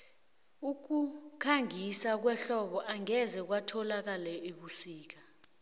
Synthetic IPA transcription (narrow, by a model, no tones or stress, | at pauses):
uk̬ukʰaŋisak̬wɛɬɔɓɔʔaŋɛzɛk̬watʰɔlak̬alɛʔeɓusiːk̬a